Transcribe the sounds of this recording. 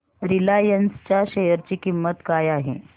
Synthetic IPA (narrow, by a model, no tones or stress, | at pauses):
ɾilajənst͡ɕjaɕejəɾt͡ɕiːkimːət̪kajaɦḛ